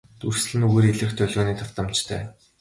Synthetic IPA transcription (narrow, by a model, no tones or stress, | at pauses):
t̪urs̆ɮɘ̆nuɣeːɾiɮɘ̆xt̪ʰœɮɣoːniːt̪ʰʊwt̪ə̆mt͡ɕt̪ʰœ̰ː